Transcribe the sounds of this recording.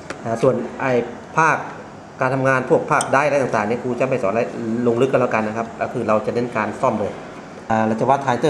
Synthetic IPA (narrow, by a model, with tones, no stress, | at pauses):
ʔaː˧˩su˨˩ənʔa˧˩j | pʰaː˥˩k̚ː | aː˧nt̪ʰa˧mŋaː˧npʰu˥˩ək̚pʰaː˥˩k̚daː˧˥˨jɾa˧˥jt̪aː˨˩ŋt̪aː˨˩ŋniː˧˥˩kʰuː˧t͡ɕa˧˨˦ma˧˥˩jsɔː˨˦la˧˩jloː˧ŋlɯ˦˥k̚ːa˧laː˧˩ka˧nːa˧kʰa˦˥p̚ːkʰɯː˧˩ɾa˧wt͡ɕa˨˩ne˧˥˨nkaː˧nsɔ˥˩mlɤː˧˩ | aː˧˩la˧˩wt͡ɕa˧wa˧˥t̪ʰːaː˧jt̪ɤː˧˩